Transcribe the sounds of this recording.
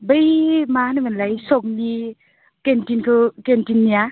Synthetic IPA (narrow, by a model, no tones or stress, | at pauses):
bəjmanɯmɯnlajsok̚ni | kentinkʰɯkentinːia